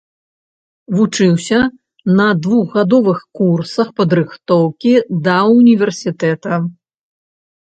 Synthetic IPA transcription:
vut͡ʂɨwsʲɐ | nɐd̪vuɣɣad̪ɔvɨxkursɐxpɐd̪ɾɨxt̪ɔwkʲid̪ɐunʲivʲɛrsʲit̪ɛt̪ɐ

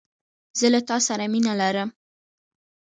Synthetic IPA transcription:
z̥əlat̪ɑsaɾaminalaɾəm

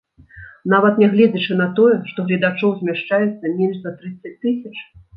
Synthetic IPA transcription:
navɐt̪nʲɛɣlʲɛd͡zʲɛt͡ʂɨnɐt̪ɔjɛʂt̪ɔɣlʲɛd̪at͡ʂɔwzʲmʲɛʂt͡ʂajɛt̪sːɐmʲɛnʐzɐt̪ɾɨt̪sːɐt͡sʲt̪ɨsʲɐt͡ʂ

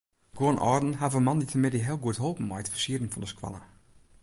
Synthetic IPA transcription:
ɡ̥oənʔɔːrdn̩ɦavəmɑnditʰəmɪdiɦeəlˠɡuətɦoːpn̩mɔjtfəsiədən̩fɔndəskwɑ̰lˠə

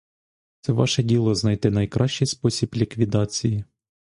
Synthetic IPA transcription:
t̪sɛʋɑ̰ʃɛdʲilˠɔznɑjt̪ɪnɐjkɾɑʃt͡ʃɪjspɔsʲiblʲikʋʲid̪ɑt͡sʲiji

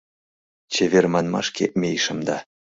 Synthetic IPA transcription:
t͡ɕevʲermɑnmɑ̰ʃkʲemʲejʃɤ̆md̪ɑ

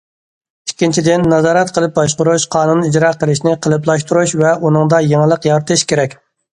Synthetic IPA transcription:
ikʲːint͡ʃʰid̪ɪnːɑzɑːɾɛt̪̚qʰəlˠɨp̚bɑʃqʊɾuʃqʰɑːnunːid͡ʒɾɑqəlˠɪʃnɪqʰəlˠɨp̬lˠɑʃt̪uɾuʃvɛunɨŋd̪ɑjeŋəlˠəqjɑɾɨt̪ʰɨʃkʲeɾɛkʲ

